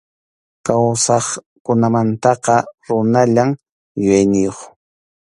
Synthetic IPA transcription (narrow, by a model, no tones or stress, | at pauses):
kawsɑχ | kʊnamant̪ɑqɑɾʊnaʎam | jʊjajnɪjoχ